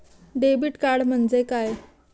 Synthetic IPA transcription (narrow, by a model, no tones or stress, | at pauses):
ɖebiːʈkaɾɽm̤əɳd͡zekaj